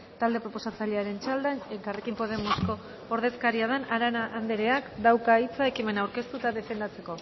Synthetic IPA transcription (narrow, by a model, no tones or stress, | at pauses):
t̪ald̪e̞pɾo̞po̞sat͡saʎiaɾe̞nt͡ʃald̪anekare̞kimpo̞ðe̞mosko̞ː | ɾð̞e̞skaɾiaðenaɾanaʔand̪eɾe̞akd̪awkait͡sae̞kime̞nawɾke̞st̪ut̪aðe̞fe̞nd̪at͡se̞ko̞